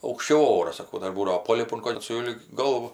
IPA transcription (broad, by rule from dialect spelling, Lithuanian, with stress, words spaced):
ɐʊkʃʲˈt͡ʃʲɛʊ ˈoːrɐs sɐˈkɐʊ ˈdɐr ˈbuːdɐʋoː ˈpoːlʲɪpʊ koːlʲ sʊlʲɪk ˈɡɐlˠʋʊ